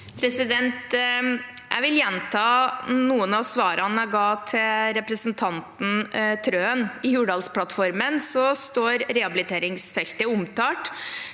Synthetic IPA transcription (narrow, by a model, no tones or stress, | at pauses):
pʰɾɛsɪd̪ɛnt̪ | jʔæ̰ɪʋɪljɛnt̪ʰɑːnuːənɑʋsʋɑːɾɑnæɪɡɑːt̪ʰɪlɾɛpɾəsənt̪ʰɑnt̪n̩t̪ʰɾøːənɪjʉːɖɑːlspʰlɑt̪fɔɾmənsɔst̪oːɾɾɛɑbɪlɪt̪ʰeːɾɪŋsfɛlt̪əʊmt̪ʰɑːʈ